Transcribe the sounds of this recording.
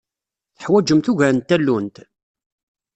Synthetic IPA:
θə̥ħwæd͡ʒəmθuʝæɾənt̪ːælːunt̪

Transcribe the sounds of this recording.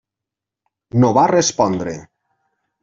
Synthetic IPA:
noβarespɔnd̪ɾḛ

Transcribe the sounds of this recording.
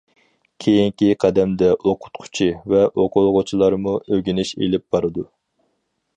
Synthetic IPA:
kʲʰejiŋkʲiqʰɛd̪ɛmd̪ɛʔoqʰʊ̥t̪̚qʰʊ̥t͡ʃʰivɛʔoqʊlˠʁʊt͡ʃʰilˠɑɾmuøɡʲinɪʃḛlɪp̚bɑɾɨd̪u

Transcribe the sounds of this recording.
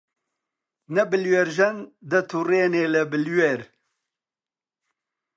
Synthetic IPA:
nɛbɨlweɾʒɛnd̪ət̪ʰureːneːlɨbɨlweɾ

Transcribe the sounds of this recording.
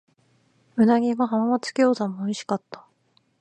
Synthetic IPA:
mɯ̟naɡʲiɡaɦamamat͡sɨ̥kʲoːzamoːiɕi̥kat̪ːḁ

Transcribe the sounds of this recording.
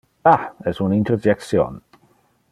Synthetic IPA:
aɛzunɪ̃ntʰɾɔd͡ʒɛksjɔ̰n

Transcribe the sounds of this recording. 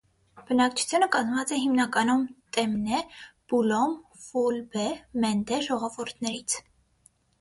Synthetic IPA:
b̥ənɑkt͡ʃʰu̥t͡sʰjunəkɑzmvɑt͡sɛɦimnɑkɑnumt̪ʼɛmnɛb̥ulɔmfulbɛmɛnd̪ɛʒɔʁɔvuɾt̪ʰnɛɾit͡sʰ

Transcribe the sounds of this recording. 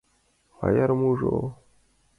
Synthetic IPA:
va̰jaɾmuʐo̰

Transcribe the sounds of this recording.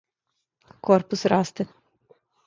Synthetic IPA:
korpusrast̪e

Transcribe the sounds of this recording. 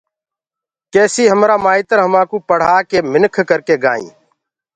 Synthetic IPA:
kɛːsiːɦəmɾaːmaːiːt̪əɾɦəmaːkuːpəɽ̤aːkeːmɪnkʰkəɾkeːɡa̰ːḭ̃ː

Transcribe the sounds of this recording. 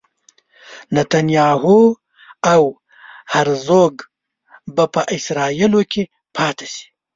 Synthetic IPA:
nat̪anjɑːɦu | aw | haɾzoɡ | bapəʔɪsɾɑːilokʰe | pʰɑːt̪ʰe̥si̥

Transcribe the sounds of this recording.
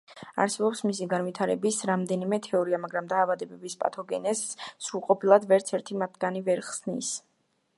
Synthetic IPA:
a̰ɾsɛbɔpsmisiɡanvit̪ʰaɾɛbisɾamd̪ɛnimɛt̪ʰɛɔɾiamaɡɾamd̪aːvad̪ɛbɛbispʼa̰t̪ʰɔɡɛnɛsːɾuɾqʼɔpʰilˠad̪vɛɾt̪sʰɛɾt̪ʰimat̪ʰɡ̥anivɛɾχsnḭs

